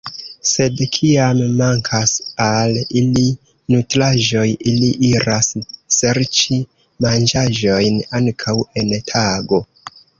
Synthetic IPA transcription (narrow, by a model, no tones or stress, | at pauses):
se̞dkʰiamːaŋkʰasalili | nutɾaʒo̞jiliʔiɾasːeɾt͡ʃi | mand͡ʒaʒo̞jnaŋkʰawe̞ntʰaɡo̞